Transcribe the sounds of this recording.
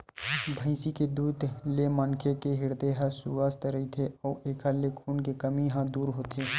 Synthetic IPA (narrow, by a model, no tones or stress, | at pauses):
bʱə̃ɪsiked̪uːd̪lemɐnkʰekeɦɪɾd̪eɦãsuʋaːst̪ɾəit̪ʰeɔːʔeːkʰalekʰuːnkekɐmiɦãd̪uːɾɦoːt̪ʰeː